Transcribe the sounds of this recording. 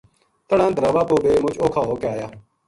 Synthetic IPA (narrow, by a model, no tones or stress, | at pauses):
t̪əɽãːnt̪ɾaːʋaːpoːbeːmʊt͡ʃoːkʰaːɦoːkeaːjaː